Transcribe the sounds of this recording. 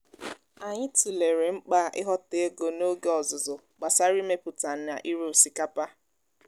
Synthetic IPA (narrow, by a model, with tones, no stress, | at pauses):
a˨ɲɪ˦ti˨le˨ɾe˨ŋ͡m̩˦k͡pa˦ʔɪ˦ɦɔ˦te˦e˦ɡo˨no˦ɡe˦ɔ˨zʊ˨zʊ˨ | ɡ͡ba˨sa˦ɾi˦me˦pʊ˨ta˨n̩˦na˨ʔi˦ɾu˦o˨si˨ka˦pa˦